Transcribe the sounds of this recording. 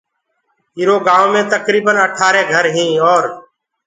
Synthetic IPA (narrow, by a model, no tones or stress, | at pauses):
ɦiːɾoːɡaːõːmẽːt̪əkɾiːbənəʈʰaːɾeːɡʱəɾɦĩːɔːɾ